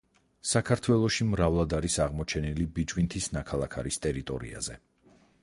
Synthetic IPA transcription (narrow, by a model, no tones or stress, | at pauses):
sakʰaɾt̪ʰwɛlˠɔʃimɾavlˠad̪aɾisaʁmɔt͡ʃʰɛnilibid͡ʒwint̪ʰisnakʰalˠakʰaɾist̪ʼɛɾit̪ʼɔ̰ɾḭa̰zɛ